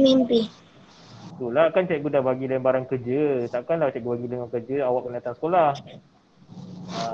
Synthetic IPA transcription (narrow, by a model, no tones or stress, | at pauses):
mimpɪh | t̪ulakant͡ʃaʔɡudahbaɡilambaɾankərd͡ʒət̪aʔkanlaht͡ʃaʔɡubaɡiləŋɔkərd͡ʒəawaʔkənat̪asə̥kolah | a